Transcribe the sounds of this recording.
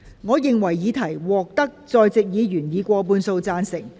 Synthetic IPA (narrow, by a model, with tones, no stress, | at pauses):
ŋɔː˨˧jɪ˨ŋwɐ˨˩jːiː˨˧t̪ʰɐ˨˩jwɔː˨k̚t̪ɐ˥k̚t͡sɔː˧jt͡sɪ˨k̚jiː˨˧˥ɥyː˨˩njiː˨˧kʷɔː˧p̬uː˧nso˧wt͡saː˧nsɪ˨˩ŋ